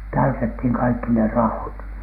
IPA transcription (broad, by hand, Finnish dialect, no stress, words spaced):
tæytethiŋ kɑikːi ne rɑot